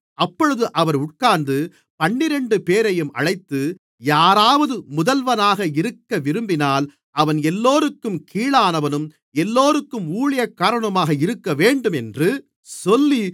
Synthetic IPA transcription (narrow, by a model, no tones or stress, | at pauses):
ɐpːɔɻɯðɯʔɐʋɐɾʊʈ̚kaːnd̪ɯ | pɐɳːɪɾɛɳɖɯpeːɾɐjɯmʔɐ̰ɻɐɪt̪ːɯ | jaːɾaːʋɐðɯmʊðɐlʋɐnaːɣɐɪɾɯkːɐʋɪɾɯmbɪnaːl | ʔɐʋɐnɛlːoːɾɯkːɯmkʰiːɭaːnɐʋɐnɯm | ɛlːoːɾɯkːɯmuːɭɪjɐkːaːɾɐɳɐmaːɣɐɪɾɯkːɐʋeːɳɖɯmɛndrɯ | sɔlːi